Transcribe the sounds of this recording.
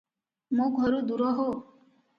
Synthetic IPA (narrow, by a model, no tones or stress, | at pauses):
moːɡʱɔɾud̪uɾɔɦo